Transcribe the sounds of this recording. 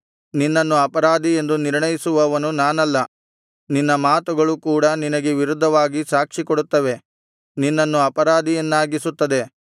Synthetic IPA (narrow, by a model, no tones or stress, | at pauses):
ninːɐnːuɐpɐɾaːd̪ie̞nd̪uniɾɳɐjisuʋɐʋɐnunaːnɐlːɐ | ninːɐmaːt̪uɡɐɭukuːɽɐninɐɡeʋiɾud̪ʱːɐʋaːɡisaːkʂikoɽut̪ːɐʋe̞ | ninːɐnːuɐpɐɾaːd̪ienːaːɡisut̪ːɐd̪e̞